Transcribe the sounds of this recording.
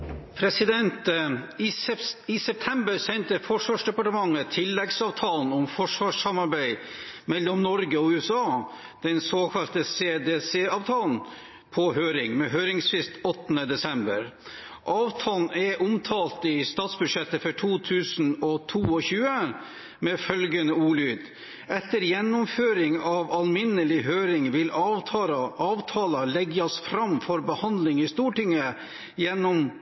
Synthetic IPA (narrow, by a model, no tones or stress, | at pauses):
pʰɾɛsɪd̪ɛnt̪ | ɪsɛp̚t̪ʰɛmbəɾsɛnt̪əfɔʂʋɑːʂɖ̪ɛpɑʈəmɑŋːət̪ʰɪlːɛɡsɑːʋt̪ʰɑːln̩ɔmfɔʂʋɑːʂɑmɑɾbæɪmɛlːɔmnɔɾɡəɔʉːɛsɑː | d̪̥ɛnsoːkʰɑlt̪əseːd̪eːseːɑːʋt̪ʰɑːln̩ | pʰɔɦøːɾɪŋmɛɦøːɾɪŋsfɪst̪ɔt̪ːnəd̪ɛsɛmbə̰ɾ | ʔɑːʋt̪ʰɑːln̩ɛʔʊmt̪ʰɑːlt̪ɪst̪ɑːt̪sbʉd̪ʂɛt̪ːəfɔʈʰuːt̪ʰʉːsn̩ɔt̪ʰuːɔçʉːə | mɛfœlɡənəuːlyːd̪ | ɛt̪ːəɾjɛnːʊmføːɾɪŋɑʋɑlmɪnːəlɪɦøːɾɪŋʋɪl | ɑːʋt̪ʰɑːlɑlɛɡɑsfɾɑmfɔɾbəhɑnd̪lɪŋɪst̪uːʈɪŋːə | jɛnːɔm